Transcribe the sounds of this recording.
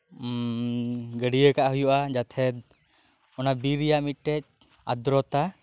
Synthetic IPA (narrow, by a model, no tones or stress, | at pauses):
ɡəɖijəkaʔɦujuʔad͡ʒat̪ʰɛd̪̚ | ɔnabiɾijaʔmiʈːɛc̚ | ad̪ɾɔt̪a